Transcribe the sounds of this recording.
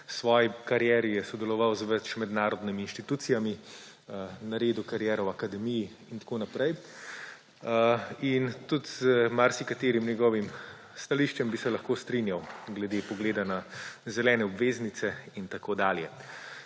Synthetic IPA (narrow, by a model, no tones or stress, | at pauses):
sʋɔːjikaɾjɛːɾijɛsɔd̪ɛlɔʋawzʋɛt͡ʃmɛd̪naːɾɔd̪nimiːnʃt̪it̪uːt̪sijami | naɾeːd̪ukaɾjɛːɾɔwakad̪ɛmiji | int̪ḁkoːnapɾɛj | int̪ut̪zmaɾsikat̪eːɾimnjɛɡɔːʋim | st̪aliʃt͡ʃɛmbisɛlaɐxkoːst̪ɾinjawɡlɛd̪eːpɔɡleːd̪anazɛlɛːnɛɔbʋeːznit̪sɛint̪akod̪aːljɛ